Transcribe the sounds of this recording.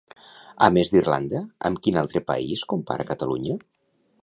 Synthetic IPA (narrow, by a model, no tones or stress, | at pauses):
əmezd̪irla̰nd̪əəmkinalˠt̪ɾəpa̰iskumpa̰ɾʔəkət̪əluɲə